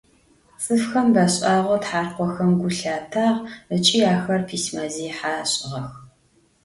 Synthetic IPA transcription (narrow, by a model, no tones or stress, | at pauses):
t͡sʼɨfxɐmbaɕʼaːʁʷɔtħaːrqʷɔxɐmɡʷʊɬaːtʰaːʁət͡ʃʼiːaːxɐrpʰiːsmaːziːħaːɕʼɪʁɐx